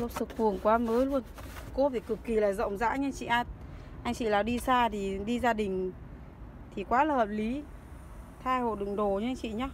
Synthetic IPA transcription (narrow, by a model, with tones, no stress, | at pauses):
zə˧˨˩p̚sɨ˨˩k̚fu˨˩əŋkwaː˨˦məː˨˦jlu˧ən | ko˧˦t̪ʰi˨˩kɨ˨˩kːi˨˩laː˨˩zə̰˧˨wŋ͡mza̰ː˧˥ɲ˧˦t͡ɕḭ˧˨ʔaː˧t̚ | ʔa˧jŋ̟t͡ɕḭ˧˨laː˨˩ɗi˧saː˧t̪ʰi˨˩ɗi˧zaː˧ɗï˨˩ŋ̟ | t̪ʰi˨˩kwaː˨˦laː˨˩həː˨˩p̚li˨˦ | t̪ʰaː˧jho̰˧˨jɗɨ̰˧˨ŋɗo˨˩ɲɨ˧ʔŋt͡ɕḭ˧˨ɲaː˧